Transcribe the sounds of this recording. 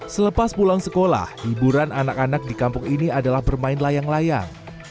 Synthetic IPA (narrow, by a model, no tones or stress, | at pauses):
sələpaspulaŋsəkola̰hhibuɾananakanak̚dikampʊŋiniadalahbərmaɪnlajaŋlaja̰ŋ